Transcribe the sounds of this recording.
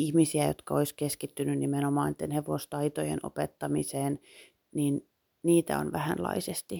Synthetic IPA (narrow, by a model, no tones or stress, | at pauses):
ihmisiæjo̰t̪kɑoiskeskit̪ːynynnimenomɑːnit̪ːenheʋost̪ɑit̪ojḛno̰pet̪ːɑmiseːn | niːn | niːt̪æ̰o̰nʋæhænlɑ̰isest̪i